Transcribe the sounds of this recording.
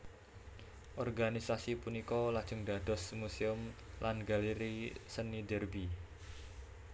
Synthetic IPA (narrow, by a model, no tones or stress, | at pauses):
ʔɔrɡanisasipunikɔlad̥ʒ̥ʊ̤ŋdad̥ɔsmuseʊm | lanɡaliɾisənidərbi